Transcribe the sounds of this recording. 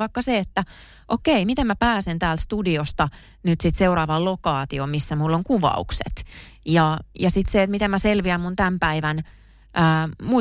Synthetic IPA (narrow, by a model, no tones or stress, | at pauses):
ɑikːɑseet̪ːæ | ʔokeimit̪emmæpæːsent̪æːlt̪st̪udiost̪ɑ | nyt̪sit̪seurɑːʋɑllokɑːt̪iomisːæmulːoŋkuʋɑ̰uksḛt̪jɑjɑsit̪seet̪mit̪emmæselʋiæmmunt̪æmpæiʋæn | ʔəːmu